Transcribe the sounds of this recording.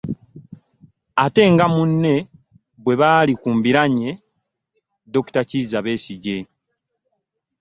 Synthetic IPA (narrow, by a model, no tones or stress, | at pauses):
ate̞ːŋɡamunːe̞ | bwe̞βaːlikuːmbiɾaɲe̞ | do̞ku̥tacizaβe̞ːsiɟe̞